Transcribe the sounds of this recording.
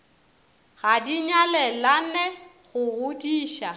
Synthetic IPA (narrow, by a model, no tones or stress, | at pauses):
ɣadiɲalɛlanɛɣʊɣʊdiːʃa